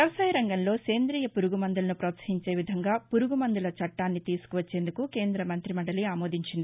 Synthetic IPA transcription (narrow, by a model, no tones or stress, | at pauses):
ɐʋɐsɐjɾɐŋɡɐnlo̞ːse̞ːnd̪ɾiːjɐpuɾuɡumɐnd̪ulɐnupɾɐːt̪sɐ̥ɦiɲt͡ʃe̞ːʋid̪ʱɐŋɡaːpuɾuɡumɐnd̪ulɐt͡ʃɐʈːaːnːit̪iːsu̥kuʋɐt͡ʃːe̞ːnd̪ukuke̞ːnd̪ɾɐmɐnt̪ɾimɐɳɖɐliaːmo̞ːd̪ʱiɲt͡ʃind̪ii